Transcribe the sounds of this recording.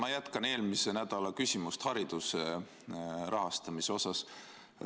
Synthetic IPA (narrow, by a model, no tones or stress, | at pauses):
mɑjæt̪kɑne̞ːlmise̞næd̪̥ɑlɑkysʲimust̪hɑɾid̪̥use | ɾʔɑɦɑst̪ɑmiseo̞sɑs